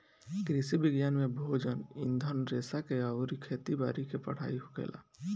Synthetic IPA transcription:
kɾisibiɡjaːnmebʱoːd͡ʒənind̪ʱənɾeːsakeaʊɾikʰeːt̪ibaːɾikepə̰ɽ̤a̰ːiɦukḛːlʔa̰

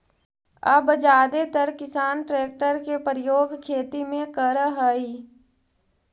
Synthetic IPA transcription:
əbd͡ʒaːd̪et̪əɾkɪsaːnʈɾeːk̚ʈəɾkepɾəjoːɡkʰeːt̪imẽkəɾɦəi

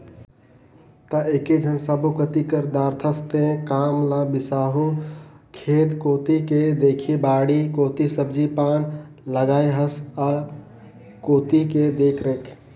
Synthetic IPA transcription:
t̪əeked͡ʒʱənsabokət̪ikəɾd̪aɾt̪ʰəst̪ẽkamlə̃bisaɦukʰet̪kot̪iked̪ekʰibaɽikot̪isəbd͡ʒipan | ləɡaeɦəsa | kot̪iked̪ekʰɾəkʰ

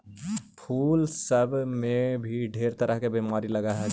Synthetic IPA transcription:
pʰuːlsɐbmẽbʱiɖʱeːɾt̪ɐɾəɦkebiːmaːɾilɐɡaɦɛ

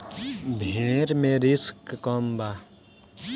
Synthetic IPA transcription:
bʱiɳeɾmeɾiskːɔmba

